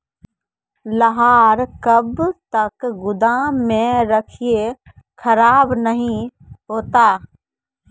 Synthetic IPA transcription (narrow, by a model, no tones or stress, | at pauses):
ləɦaːɾkɐbt̪ɐkɡʊd̪aːẽɾɐkʰie | kʰəɾaːbnəɦĩ | ɦoːt̪aː